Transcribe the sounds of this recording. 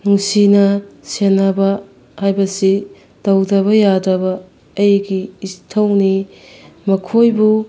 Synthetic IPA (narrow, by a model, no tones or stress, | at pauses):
nuŋsinɐsenɐbɐ | hajbɐsi | tɐwdɐβɐjadɐbɐː | jɡiːstʰɐwni | mɐkʰojbu